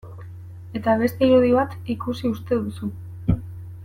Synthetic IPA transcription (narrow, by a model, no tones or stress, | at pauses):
e̞t̪aβ̞e̞st̪e̞iɾuðiβ̞at̪ikusiust̪e̞ðusu